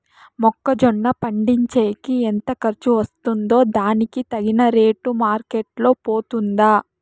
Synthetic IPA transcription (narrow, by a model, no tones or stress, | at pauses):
mɔkːɐd͡ʒɔɳːɐpɐɳɖiɲt͡ʃeːkient̪ɐkɐɾt͡ʃuʋɐst̪und̪o̞ːd̪aːnikit̪ɐɡinɐɾeːʈumaːɾkeʈlo̞ːpoːt̪und̪aː